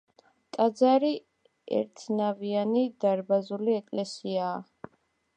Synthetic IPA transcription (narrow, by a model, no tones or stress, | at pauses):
t̪ʼad̪zaɾi | ɛ̰ɾt̪ʰnavianid̪aɾbazuliɛkʼlɛsiaː